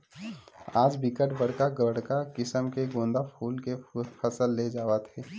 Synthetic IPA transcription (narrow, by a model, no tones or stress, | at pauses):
aːd͡ʒbɪkəʈbəɽkaɡəɽ̤kakɪsəmkeɡõːnd̪apʰuːlkepəsəlːed͡ʒaːʋət̪ɦɛː